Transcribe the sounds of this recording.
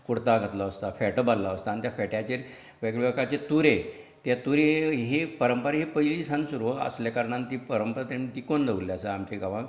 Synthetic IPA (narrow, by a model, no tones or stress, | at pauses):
kuɽt̪aɡʱət̪laəst̪afɛʈəbalːaəst̪aːnit̪jafɛʈjat͡ɕeɾ | ʋeɡɭʋekat͡ɕet̪uɾe | t̪jat̪uɾeɦepəɾəmpəɾɦepəɦiliːsansuɾʋoə̰sljakəɾɳ̃ant̪ipəɾəmpəɾat̪anit̪ikond̪əʋulːjasəamt͡ɕeɡaʋã